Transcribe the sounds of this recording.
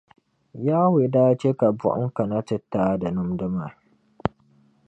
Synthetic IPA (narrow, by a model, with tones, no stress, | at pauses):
jaː˦we˨daː˦t͡ʃe˦ka˨bʊ̰˦ʔʊ̰˦ŋka˨na˦tɨ˨tːaː˦da˨nʊ˦mdʊ˦ma˨